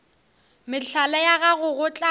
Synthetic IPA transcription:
mɪɬʰalɛjaɣaɣʊɣʊt͡ɬʼa

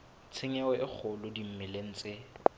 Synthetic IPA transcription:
t͡sʰeŋɛɛʔɪk͡xʰʊlʊdim̩mɪlen̩t͡sʼɪ

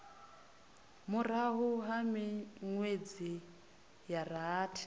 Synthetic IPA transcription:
muɾ̤aɦuɦamiŋwed͡zi | jaɾaːtʰi̥

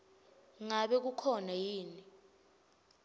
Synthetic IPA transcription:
ŋaɓɛk̬ukʰɔnajiːni

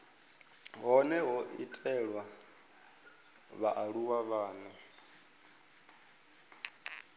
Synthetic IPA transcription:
ɦɔnɛɦɔʔḭtʼɛɺwa | βaʔaɺuwaβaːnɔ

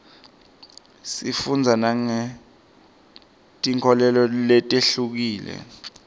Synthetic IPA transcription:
sifund͡zʱanaŋɛ | tʼiŋkʰɔlɛlɔlɛtʼeɬuk̬iːlɛ̰

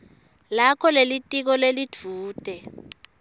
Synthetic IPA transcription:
lakʰɔlelitʼik̬ɔlelid̥ʰʱuːtʼɛ

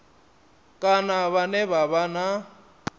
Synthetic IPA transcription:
kʼanaβanɛβaβana

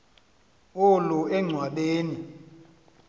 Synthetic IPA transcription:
oluɛŋ͡ǀʱwaɗeːni

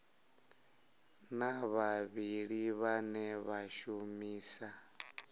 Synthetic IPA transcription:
naβaβiɺiβanɛβaʃumiːsa

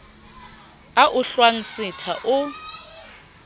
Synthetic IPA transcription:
aʔʊɬwaŋ̩sɪtʰaʔʊ

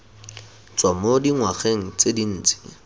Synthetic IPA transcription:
t͡sʼwamodiŋwaχeŋ̩t͡sedin̩ːt͡sɪ̥

